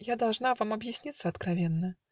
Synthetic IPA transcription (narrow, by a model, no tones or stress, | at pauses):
jad̪ɐlˠʐnavamɐbjɪsʲnʲit̪səɐt̪kɾɐvʲenːə